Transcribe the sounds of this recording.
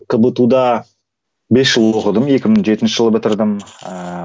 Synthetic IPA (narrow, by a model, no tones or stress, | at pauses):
kʰəbət̪ud̪ɑ | be̞sʒəlˠoqəd̪əme̞kʲɪməɴʒe̞t̪ɪnʃɪʒəlˠəbɪt̪ɪɾd̪əm